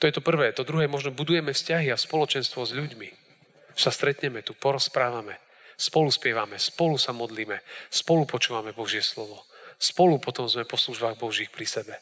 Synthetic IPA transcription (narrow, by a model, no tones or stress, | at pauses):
t̪ɔjɛt̪ɔpr̩ʋɛːt̪ɔd̪ɾuɦɛːmɔʒnɔbud̪ujɛmɛfscaɦiaspɔlɔt͡ʃɛnst̪ʋɔzʎuɟmi | sast̪ɾɛt̪ɲɛmɛt̪upɔɾɔspɾaːʋamɛ | spɔluspɪɛʋamɛspɔlusamɔd̪liːmɛspɔlupɔt͡ʃuːʋamɛbɔʒɪɛslɔʋɔspɔlupɔt̪ɔmzmɛpɔsluʒbaːɣbɔʒiːxpɾisɛbɛ